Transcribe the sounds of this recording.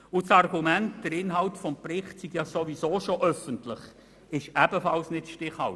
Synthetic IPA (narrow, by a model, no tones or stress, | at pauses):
ʊt͡sɑrɡumæntd̥əɾɪnɦɑltfɔmprɪχtsiɡjɑsoʋisoːʃoʔœfəntlɪχ | ɪʃæb̥əfɑlsnɪtʃtɪχhɑ̰l